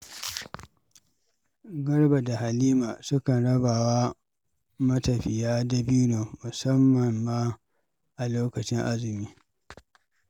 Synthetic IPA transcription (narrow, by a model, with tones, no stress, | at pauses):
ɡɐ˦ɽba˨da˨ha˨liː˦maː˨sʊ˦kɐ˨nɽɐ˦baː˨wa˦ | mɐ˦tɐ˨ɸɪ˨jaː˦da˨bi˦noː˨mʊ˨sɐ˦mːɐ˨mːaː˦ | ʔa˨loː˦kɐ˨t͡ʃɪ˦ŋʔa˦zɪ˨miː˦